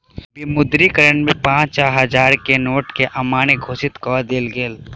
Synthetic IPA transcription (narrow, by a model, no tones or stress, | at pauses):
bimʊd̪ɾikəɾəɳmẽpãːt͡ʃaːɦɐd͡ʒaːɾkenoːʈkeʔɐmaːñeɡʱoːʃɪt̪kɔːɾd̪eːlɡeːl